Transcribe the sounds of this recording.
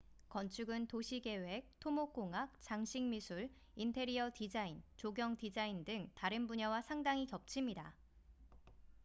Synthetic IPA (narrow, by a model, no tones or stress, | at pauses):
kʌnt͡ɕʰuɡɯntoɕʰiɡe̞we̞k̚tʰomok͈oŋak̚t͡ɕ͈aŋɕʰiŋmisʰuɭ | intʰe̞ɾiʌtid͡ʑaint͡ɕoɡjʌŋtid͡ʑaindɯŋtaɾɯnbuɲʌwasʰaŋdaŋikjʌp̚t͡ɕʰimɲida